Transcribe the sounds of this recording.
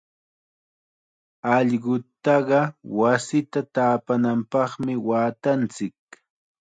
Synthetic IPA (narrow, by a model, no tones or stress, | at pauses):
ɑʎɢʊt̪ːɑɢɑwasɪt̪at̪aːpanampɑχmɪwaːt̪ant͡sɪk̚